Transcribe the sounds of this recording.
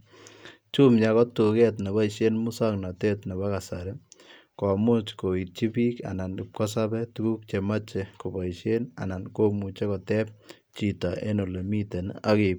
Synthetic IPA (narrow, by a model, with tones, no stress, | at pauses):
t͡ʃu˦mɲa˨kɔ˦tu˨kɛ˦tna˨ba˦i˨ʃe˦nmʊ˦sa˦ŋna˨te˦tna˨ba˦ka˨sa˨ɾɪ˦ | kɔ˨mʊ˦t͡ʃko˨i˨t̚t͡ʃi˦pi˦ka̰˨na˨nɪ˨p̚kɔ˦s̬a˦bɛ˦tu˦ɡu˦k̚t͡ʃe˨ma˦t͡ʃe˨ko˨ba˨iʃe˦na̰˨na˨nko˦mu˨t͡ʃe˦kɔ˨tɛ˦p̚ | t͡ʃi˨ta˨ḛ˦no˨le˨mi˦te˨na̰˦ke˨p